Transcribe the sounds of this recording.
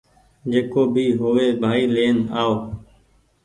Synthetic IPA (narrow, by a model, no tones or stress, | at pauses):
d͡ʒeːkoːbiːɦoːʋeːbʱaːiːleːnaːoː